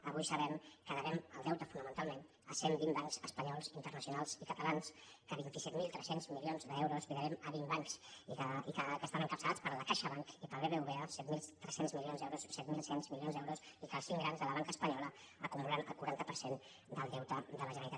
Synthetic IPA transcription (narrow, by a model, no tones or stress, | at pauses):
əβujsəβɛmkəðəβɛməlˠd̪ɛwt̪əfunəmənt̪alˠmen | əsembimbaŋkzəspəɲɔlˠzint̪ərnəsiunalˠzikət̪əlanskəβint̪isɛt̪milˠt̪ɾɛsenzmilionzðəɛwɾuzbiðəɾɛməβimbaŋksiəikəkəst̪anəŋkəpsəlat͡spəɾləkaʃəβaŋkipəlβeβeuβeəsɛt̪milˠt̪ɾɛsenzmilionzɛwɾussɛt̪milˠsenzmilionzd̪ɛwɾusikəsiŋɡɾanzðələβaŋkəspəɲɔlə | əkumulanə̰lˠkuɾant̪əpəɾsen | d̪əlˠd̪ɛwt̪əd̪ələʒənəɾit̪at̪